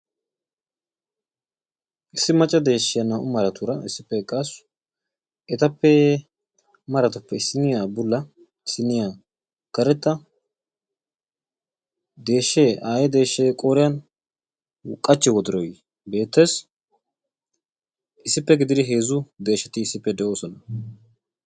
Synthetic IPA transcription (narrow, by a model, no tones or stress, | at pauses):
ʔɪsːɪmɐt͡ʃʼːɐd̪e̞ːʃːɪjɐnɐʔʊmɐɾɐt̪ʊɾɐɪsːɪpːɛkʼɐsʊ | ʔɛt̪ɐpːɛ | mɐɾɐt̪ʊpːɛɪsɪnɪjaːbʊlːɐ | ɪsɪnɪjaː | kɐɾɛt̪ːɐ | d̪e̞ːʃːeːʔaːjɛd̪e̞ːʃːeːkʼoːɾɪjɐn | kʼːɐt͡ʃːɛwɔd̪ɪɾɔj | be̞ːt̪ːeːs | ɪsːɪpːɛɡɪd̪ɪd̪ɪɦe̞ːzʊd̪e̞ːʃːɐt̪ɪɪsːɪpːɛd̪ɛʔo̞ːsɔnɐ